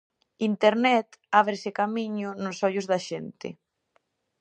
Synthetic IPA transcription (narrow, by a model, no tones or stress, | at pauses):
int̪eɾnɛt̪aβ̞ɾesekamiɲʊnʊsɔʎʊzðaʃent̪ɪ̰